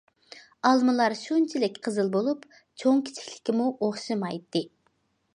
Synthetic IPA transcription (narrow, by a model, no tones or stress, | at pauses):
ɑlˠmɨlˠɑɾʃunt͡ʃʰilɪkʲqʰəzɨlˠbolˠup | t͡ʃʰoŋkʲʰi̥t͡ʃʰi̥kʲlɪ̥kʲimuʔoχʃɨmɑjt̪ːɨ